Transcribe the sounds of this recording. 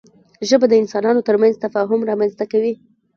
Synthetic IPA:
ʒəbad̪əɪnsɑnɑnot̪əɾmanzt̪afɑɦʊmɾɑmanzt̪akawi

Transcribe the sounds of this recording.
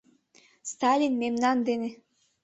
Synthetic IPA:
st̪ɑlʲinmemnɑnd̪enĕ

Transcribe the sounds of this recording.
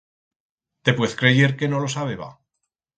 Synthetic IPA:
t̪e̞pwe̞θkɾe̞ʝe̞ɾke̞no̞lo̞saβeβa̰

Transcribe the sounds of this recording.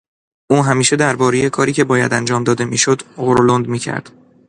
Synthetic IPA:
ʔuːɦæmiːʃe̞d̪æɾbɒːɾeje̞kʰɒːɾiːcʰe̞bɒːjæ̰d̪ænd͡ʒɒːmd̪ɒːd̪e̞miːʃod̪ɣoɾolond̪miːcʰæ̰ɾd̪̥

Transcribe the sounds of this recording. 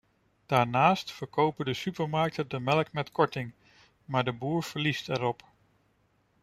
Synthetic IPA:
d̥aːɹnaːstfəɹkowpədəsypəɹmɑɹk̚tədəmɛləkmɛtkʰɔɹtɪŋ | maːɹdəbuːɹv̥əɹlistɛɾɔp

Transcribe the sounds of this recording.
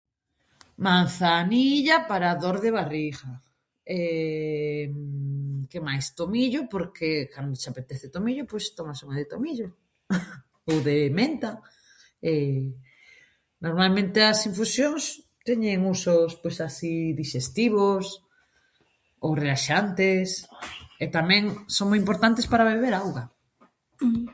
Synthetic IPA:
mãnθaniʎapaɾaðoɾðeβ̞ariɣa | e | kemajst̪omiʎʊpoɾkʰekand̪ʊosapet̪eθet̪omiʎʊpojst̪omasuŋaðet̪omiʎo | owðemẽnt̪a | e | noɾmalmẽnt̪eɐsiɱfusjoŋs | t̪ɛɲeŋusʊspojsasiðiʃest̪iβʊs | owrelaʃant̪eset̪amɛ̃ŋsoŋmojimpoɾt̪ant̪espaɾaβeβeɾawɣɐ

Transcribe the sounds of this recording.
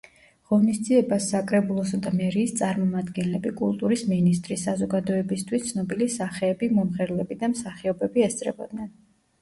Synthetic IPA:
ʁɔnisd̪ziɛbasːakʼɾɛbulˠɔsad̪amɛɾiːst̪sʼaɾmɔmad̪ɡɛnlɛbikʼulˠt̪ʼuɾisminist̪ʼɾisːazɔɡad̪ɔɛbist̪ʰwist̪sʰnɔbilisaχɛːbimɔmʁɛɾlɛbid̪amsaχiɔbɛbiɛst̪sʼɾɛbɔ̰d̪nɛn

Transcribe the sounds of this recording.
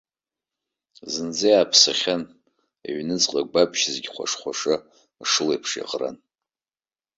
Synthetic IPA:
zɨnd͡zejaːpʰsaχʲan | ḛɥnɨt͡sʼqʼaɡʷabʼʃzɡʲχʷa̰ʂχʷaʂɨ | ʂɨlejpʰʂja̰qʼra̰n

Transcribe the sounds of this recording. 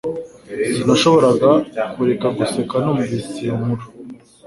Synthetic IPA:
inaʃo̞βo̞ɾaɡakuɾe̞kaɡuse̞kanomuvisimuɾo

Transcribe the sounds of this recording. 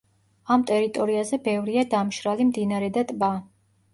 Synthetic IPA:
amt̪ʼɛɾit̪ʼɔɾiazɛbɛvɾiad̪amʃɾalimd̪inaɾɛd̪at̪ʼba

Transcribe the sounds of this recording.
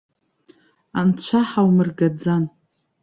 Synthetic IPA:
ant͡ɕʷʰaħawmɨrɡad͡zan

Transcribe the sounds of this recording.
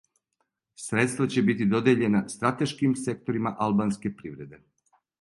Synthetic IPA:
sɾe̞t̪st̪vat͡ɕe̞bit̪id̪o̞d̪jeʎe̞nast̪ɾat̪e̞ʃkimse̞k̚t̪o̞ɾimaʔalˠbanske̞pɾiʋɾe̞d̪e̞

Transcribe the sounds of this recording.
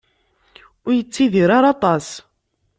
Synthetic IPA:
ʊɾjət͡sːiðiɾaɾɑt̪ˤɑs

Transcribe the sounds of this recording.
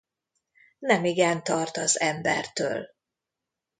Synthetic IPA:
nɛmiɡɛnt̪ɒrt̪ɒzɛmbɛ̰rt̪ø̰ːl

